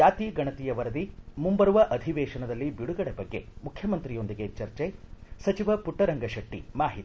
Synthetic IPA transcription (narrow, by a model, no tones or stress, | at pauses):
aːt̪iːɡɐɳɐt̪ijɐʋɐɾɐd̪imumbɐɾuʋɐʔɐd̪ʱiʋɛːʃɐnɐd̪ɐlːibiɽuɡɐɽebɐɡːe̞mukʰːjɐmɐnt̪ɾijo̞nd̪iɡe̞t͡ʃɐɾt͡ʃesɐt͡ʃiʋɐpuʈːɐɾɐŋɡɐʃɐʈːimaːɦit̪i